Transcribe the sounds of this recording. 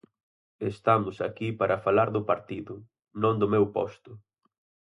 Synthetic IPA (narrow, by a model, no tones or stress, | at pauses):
est̪amʊsakipaɾʔɐfalaɾðʊpaɾt̪iðʊ | nõŋd̪ʊmewpɔ̰st̪ʊ